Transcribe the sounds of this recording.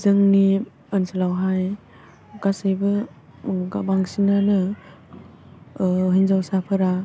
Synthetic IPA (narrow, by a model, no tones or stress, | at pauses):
zɯŋni | ənsəlawɦaj | ɡasajbɯ | ɡabaŋsinanɯ | ɦinzawsapʰɯɾa